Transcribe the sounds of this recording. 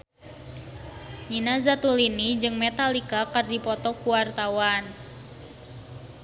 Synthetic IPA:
ɲinazat̪ulinid͡ʒɨŋmɛt̪alikakərdipɔt̪ɔkuwart̪awan

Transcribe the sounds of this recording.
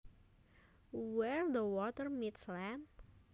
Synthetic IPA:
wɛɹd̪əwɔt̪ərmitslɛn

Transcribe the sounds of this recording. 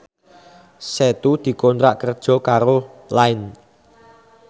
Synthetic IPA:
sɛt̪ud̪̥i̤kɔnt̪ɾaʔkərd̥ʒ̥ɔ̤kaɾolaɪn

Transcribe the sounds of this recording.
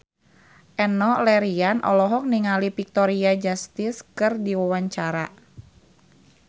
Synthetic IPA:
ʔɛnɔlɛɾianʔɔ̰lɔɦɔk̚niŋalipik̚t̪ɔɾiad͡ʒast̪ɪskɨrdiwawaɲt͡ʃaɾa̰

